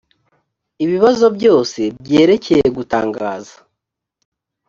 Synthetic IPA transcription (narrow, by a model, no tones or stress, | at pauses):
iβiβazo̞bɟo̞ːse̞bɟe̞ːɾe̞ce̞jeɡuta̰ːŋɡaːzḁ